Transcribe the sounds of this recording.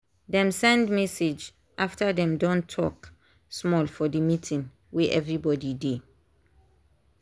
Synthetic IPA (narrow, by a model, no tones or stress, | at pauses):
dɛ̃msɛ̃ndmɛsed͡ʒ | ʔaftədɛ̃mdɔ̃ntʰɔk | smɔlfɔdəmitʰĩŋ | wiʔɛvɹibɔdide